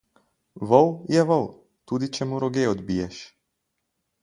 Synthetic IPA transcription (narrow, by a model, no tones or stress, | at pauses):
ʋɔwjɛʋɔw | t̪uːd̪it͡ʃɛmuɾɔɡeɔd̪biːjɛʃ